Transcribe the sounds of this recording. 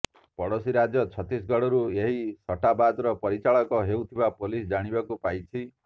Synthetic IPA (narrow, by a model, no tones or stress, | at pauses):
pɔɽosiɾad͡ʒjɔt͡ʃʰɔt̪is̬ɡɔɽɔɾueɦisɔʈabad̪ɾɔpɔɾit͡ʃaɭɔkɔɦewt̪ʰibapolisd͡ʒaɽ̃ibakupajt͡ʃʰi